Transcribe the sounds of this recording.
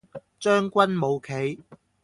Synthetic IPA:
t͡ʃœː˥ŋkʷɐ˥nmo˨˧wkʰe˨˧j

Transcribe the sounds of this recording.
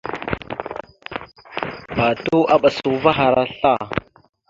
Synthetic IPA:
ba˨tu˦ʔa˦ɓa˨su˨˦va˦ɦa˨ɾa˦ɬa˦˨

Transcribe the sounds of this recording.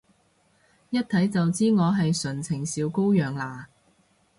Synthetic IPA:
jɐ˥t̚t̪ʰɐ˨˥jt͡sɐ˨wt͡siː˥ŋɔː˨˧ɦɐ˨jsɵ˨˩nt͡sʰɪ˨˩ŋsiː˨˧wko˥wjœː˨ŋlaː˨˩

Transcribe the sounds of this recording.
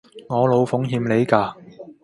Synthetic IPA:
ŋɔː˨˧lo˨˧wfʊ˨˥ŋɦiː˧mle˨˧jkaː˧

